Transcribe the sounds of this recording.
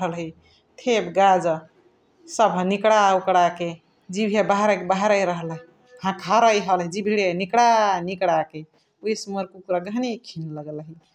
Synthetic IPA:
ɦəlɦi | t̪ʰebɡad͡ʒ | səbʱnikɽaukɽake | d͡ʒibʱebaɦɾkbaɦɾəjɾəɦəl | ɦãkʰaɾəjɦəlɦid͡ʒibʱiɽenikɽanikɽake | ujsməɾkukuɾaɡʱənikʰinləɡəlɦi

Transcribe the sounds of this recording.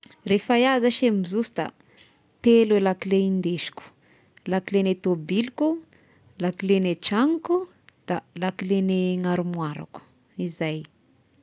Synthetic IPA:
refajazaʃemizusi̥d̪a̰ | t̪elwelakileind̪eʃi̥ku̥ | lakilenet̪obiliku | lakileneʈ͡ʂaŋku | d̪̥alakileneŋaɾumwaɾa̰ku̥ | izaj

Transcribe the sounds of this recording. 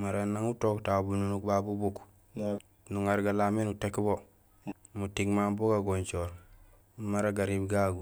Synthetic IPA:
maɾanːaŋutoktabununukbabubuk | nuŋaɾɡalaminutekbo | mutiɡmanboɡaɡont͡ʃoɾ | maɾaɡaɾibɡaɡu

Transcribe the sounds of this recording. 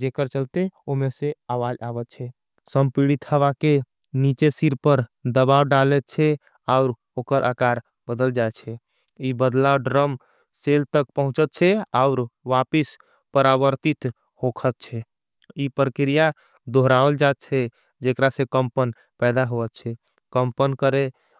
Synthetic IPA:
d͡ʒekəɾt͡ʃəlt̪eomeseaʋad͡ʒabət̪̚t͡ʃʰɛ | səmpiɽit̪həʋake | nit͡ʃesiɾpəɾd̪əbawɖalɛt̪̚t͡ʃʰɛ | aʊɾ | okəɾʔakaɾ | bəd̪əld͡ʒaet̪t͡ʃʰɛ | ibəd̪laɖɾəm | selt̪ək̚pəɦũt͡ʃət̪̚t͡ʃʰɛaʊɾʋapis | pəɾabəɾt̪it̪ | ɦhokʰət̪̚t͡ʃʰɛ | ipɾəkɾija | d̪ʱoɦɾaəld͡ʒaet̪̚t͡ʃʰɛ | d͡ʒekɾasẽkəmpən | pɛd̪aɦoət̪t͡ʃʰɛ | kəmpənkəɾe

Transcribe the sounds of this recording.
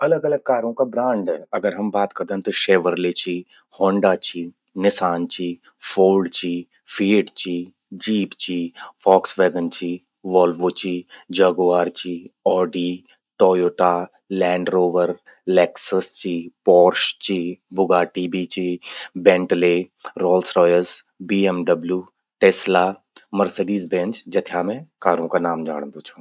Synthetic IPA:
ɐləɡɐləɡ̚kaːɾõkabɾãːɳɖɛɐɡəɾɦɐmbaːt̪kɐɾd̪eɦɛ̃t̪oʃeːʋəɾlet͡ʃi | hɔ̃ːɳɖat͡ʃi | nɪsaːnt͡ʃiː | foːlɖt͡ʃiː | fʰiːɖt͡ʃiː | d͡ʒiːpt͡ʃiːfʰɔːksʋeːɡənt͡ʃiː | ʋɔːlʋot͡ʃiːd͡ʒɐɡʋaːɾt͡ʃiːɔːɖi | ʈɔːjoːʈaː | lɛ̃ːɳɖɾoːʋəɾ | lɛːksəst͡ʃiːpɔːɾʃt͡ʃiːbʊɡaːʈiːbit͡ʃiːbẽːɳʈleːɾɔːlsɾɔːjəɾs | biːɛmɖəbljuː | ʈeːslaː | məɾsəɖiːzbẽːnt͡ʃd͡ʒɐt̪ʰaːmẽkaːɾõkanaːmd͡ʒa̰ːɽ̃nd̪ot͡ʃʰu

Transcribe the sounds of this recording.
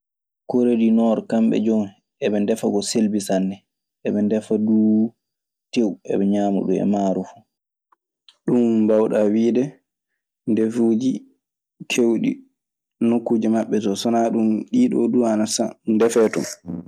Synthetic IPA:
koɾedinɔɾɔkambɛ̰d͡ʒɔm | ɛɓɛndɛfaɡɔselbisanːɛ | ʔɛɓɛndɛfaduː | tewɛ̰ɓɛɲaːmṵɗṵmɛ̰maɾufu̥ | ɗumbawɗawiːdɛ | ndefuːd͡ʒi | kʰewɗḭ | nokːud͡ʒimaɓːɛtɔsɔnaɗumɗiːɗɔ̰duanasandɛfɛtɔ̰m

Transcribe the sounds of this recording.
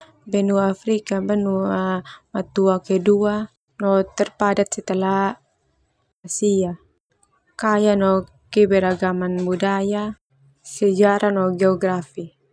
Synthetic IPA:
bɛnuafɾikabanuamat̪uakɛdua | nɔt̪ɛrpadat̪̚sɛt̪ɛla | asia | kajanɔ | kɛbɛɾaɡamanbudaja | sɛd͡ʒaɾanɔɡɛɔɡrafi

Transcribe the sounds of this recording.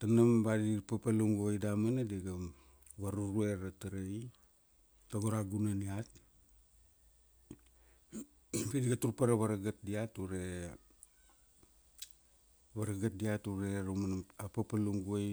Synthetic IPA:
tanambadipapaluŋɡuojdamanadiɡam | βaɾuɾue̞ɾataɾaj | taɡoɾaɡunaniat̚ | pediɡatuɾpaɾaβaɾaɡat̚diatuɾe | βaɾaɡat̚diatuɾeɾumanapapaluŋɡuoj

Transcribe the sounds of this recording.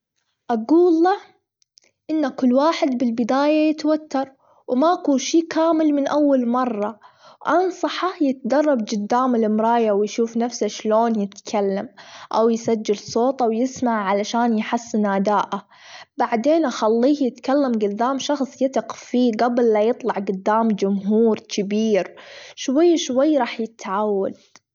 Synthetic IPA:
ʔaɡuːlːa | ʔɪnːakʊlːwaːħɪd̪bɪlbɪd̪aːjajɪt̪wat̪ːɑɾˤ | wmaʔkuːnʃiːkʰaːmɪlmɪnʔawːalmɑrˤːɑ | wʔɑnsˤɑħɑjɪt̪̚d̪ɑrˤːɑbd͡ʒɪd̪ːaːmɪlɪmɾˤɑːjawjʃuːfnafsaʃloːnjɪt̪kʰalːamʔawjsad͡ʒːalsˤoːt̪ˤʔawjɪsmaʕʕalaʃaːnjħasːnaːd̪aːʔa | baʕd̪eːnʔaxalːiːhjɪt̪kalːamɡʊd̪ːaːmʃɑxsˤjɪt̪ɪqfiːɡablːajɨt̪ˤlɑʕɡʊd̪ːaːmd͡ʒʊmɦuːɾkʰɪbiːɾʃwajːʃwajːɾˤɑːħjɪt̪ʕawːa̰d̪̚

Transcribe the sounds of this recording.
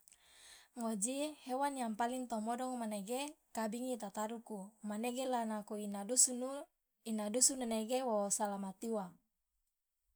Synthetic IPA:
ŋod͡ʒihewanjaŋpaliŋt̪ɔmɔdɔŋmaneɡekabiŋit̪at̪aɾukumaneɡelanakuinausu | inadusunaneɡewosalamat̪iwa

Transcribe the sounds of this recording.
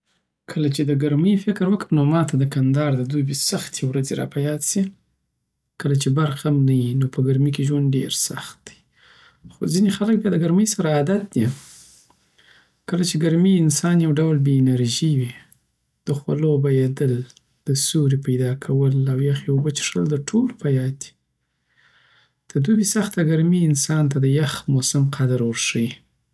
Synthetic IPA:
kʰəlat͡ʃed̪əɡaɾməjfɪkɾwəkənomɑt̪ad̪əkand̪ɑɾd̪əd̪ubesaxt̪ʰewɾad͡zeɾɑ̰pajɑsi | kəlat͡ʃebaɾxamnajinopʰəɡaɾmikeʒwanɖeɾsaxt̪̚d̪̥i̥ | xo̰zinexalək̚bjɑd̪əɡaɾməjsaɾaːd̪at̪̚d̪i | kəlat͡ʃeɡaɾmiɪnsɑnjawɖawlbeːnaɾʒiwi | d̪̥əxwa̰lobajad̪əl | d̪̥əsuɾipajd̪ɑkʰawəlawjaxjawbət͡ʃe̥ʂə̰ld̪əʈʰolpajɑd̪i̥ | d̪̥əd̪ubisaxt̪aɡaɾmiɪnsɑnt̪ad̪əjaxmosamqʰad̪aɾwəɾʂəji

